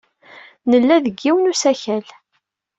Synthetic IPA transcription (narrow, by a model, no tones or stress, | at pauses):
nəlːæðəɡːiwənusæçæl